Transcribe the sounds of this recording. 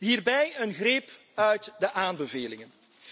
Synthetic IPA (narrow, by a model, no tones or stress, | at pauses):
ɦiːrbɛjənɣrep | œɥtdəʔaːnbəveːlɪŋən